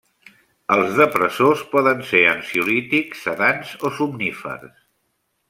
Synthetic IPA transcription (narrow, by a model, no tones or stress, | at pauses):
əlˠzðəpɾəsospɔðənseənsiulit̪iksːəðanzosumnifə̰ɾs